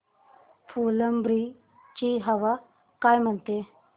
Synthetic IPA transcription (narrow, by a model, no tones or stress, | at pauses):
fuləmbɾi | t͡ɕiɦəʋa | kajm̤əɳt̪e